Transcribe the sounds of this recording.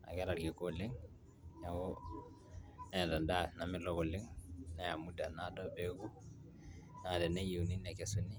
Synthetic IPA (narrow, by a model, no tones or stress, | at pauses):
a̰kɛɾaɾɡikoliŋ | jaɡɔ | nɛdadanamilɔɡɔliŋnajamudanadɔbeɡu | nadɛnɛjiwninɛkɛsuni